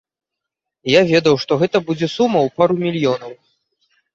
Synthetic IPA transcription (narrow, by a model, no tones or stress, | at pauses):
javʲɛd̪ɐwʂt̪ɔɣɛt̪ɐbud͡zʲɛsumɐwpaɾumʲilʲjɔnɐw